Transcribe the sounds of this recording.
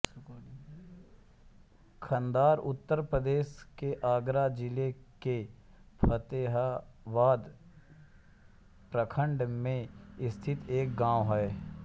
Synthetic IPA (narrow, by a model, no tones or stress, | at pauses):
kʰə̃nd̪aːɾʊt̪ːəɾpɾəd̪eːskeʔaːɡɾad͡ʒɪleke | pʰət̪eːɦaʋaːd̪ | pɾəkʰə̃ɳɖmẽɪst̪ʰɪt̪eːk̚ɡãːwɦɛe